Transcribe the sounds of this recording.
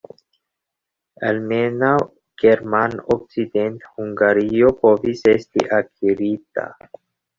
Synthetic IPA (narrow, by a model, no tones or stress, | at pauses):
almenaw | ɡ̥e̞ɾmanok̚t͡sid̪ent̪huŋɡaɾio̞po̞visestḭʔakiɾit̪a̰